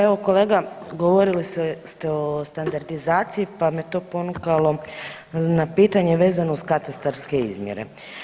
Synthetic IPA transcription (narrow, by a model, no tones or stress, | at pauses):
eʋokole̞ːɡaɡoʋo̞ɾilisest̪eo̞st̪and̪aɾd̪izaːt̪siipamet̪o̞ːpo̞nukalˠo̞ | napiːt̪aɲe̞ʋe̞ːzanouskat̪ast̪aɾske̞ḭzmjḛɾḛ